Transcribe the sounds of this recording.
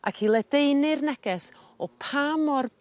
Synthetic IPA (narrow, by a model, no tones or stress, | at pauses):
a̰kʰilˠɛd̥ejnɨrnɛɡ̥ɛs | ɔpʰamɔr